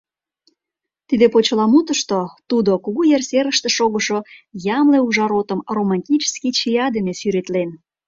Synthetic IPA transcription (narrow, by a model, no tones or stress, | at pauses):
t̪id̪epot͡ɕəlɑmut̪əʃt̪ot̪ud̪okuɣujersʲeɾəʃt̪ĕʃoɣəʃojɑmleuʒɑɾot̪əmromɑnʲtʲit͡ɕskit͡ɕijɑd̪enefyɾet̪len